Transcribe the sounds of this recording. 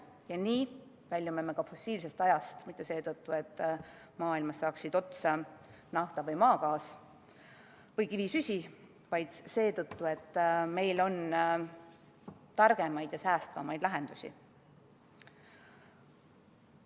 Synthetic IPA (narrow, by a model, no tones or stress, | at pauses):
jɑniː | vælʲjumemekɑfo̞sːiːlse̞st̪ɑjɑst̪mit̪ːˑese̞ːt̪ɤt̪ːue̞t̪ː | mɑːilmɑsːɑːksid̪̥o̞t̪sɑ | nɑht̪ɑvɤjmɑːkɑːs | vɤjkivisysʲi | vɑjd̪̥se̞ːt̪ɤt̪ːue̞t̪ːme̞jlo̞n | t̪ɑrɡ̥e̞mɑjd̪̥jɑsæːst̪vɑ̰mɑjd̪̥læɦe̞nd̪usʲḭ